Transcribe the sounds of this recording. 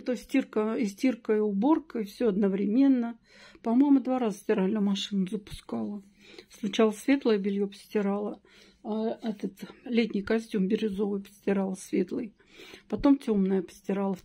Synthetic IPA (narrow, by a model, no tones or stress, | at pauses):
t̪osʲtʲirkəɪsʲtʲirkəɪʊbo̞rkəɪfsʲɵɐd̪nəvɾʲɪmʲe̞nːə | pɐmo̞jmʊd̪vaɾazəsʲtʲɪɾalʲnɨmɐʂɨnʊzəpʊ̥skalˠə | slʊt͡ɕalˠəsvʲe̞t̪lˠəjəbʲɪlʲjopə̥sʲtʲɪɾalˠə | aɛt̪ət̪lʲetʲnʲɪjkɐsʲtʲumbʲɪɾʲɪzo̞vɨjpə̥sʲtʲɪɾalˠəsʲvʲe̞t̪lˠɨj | pɐt̪o̞mtʲo̞mnəjəpə̥sʲtʲɪɾalˠə